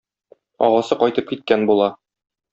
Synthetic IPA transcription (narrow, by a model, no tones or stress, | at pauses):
ɒ̰ʁɑsɤqɒjt̪ɤp̚kit̪̚kænbulˠɑ